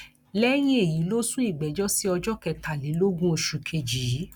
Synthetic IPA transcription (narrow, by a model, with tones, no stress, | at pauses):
lɛ˦j̃ĩ˦e˦˨ji˨˦lo˦sũ˦i˦˨ɡ͡bɛ˨˦d͡ʒɔ˦si˦ɔ˧d͡ʒɔ˦kɛ˧ta˨le˨˦lo˦ɡũ˦o˧˨ʃu˨kʰe˧d͡ʒi˨˦